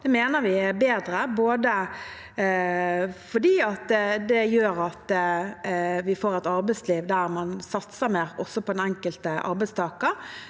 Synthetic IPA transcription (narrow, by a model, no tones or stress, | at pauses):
d̪̥ɛmeːnəɾʋɪæbeːd̪ɾəboːd̪ə | fɔdiːɑt̪d̪ɛjøːɾɑt̪ | ʋɪfoːɾɛt̪ɑɾbɛɪsliːʋd̪æɾmɑnsɑt̪səɾmeːɾɔsɔpʰɔd̪ɛnɛŋkəlt̪əʔɑ̰ɾbæɪst̪ʰɑːkə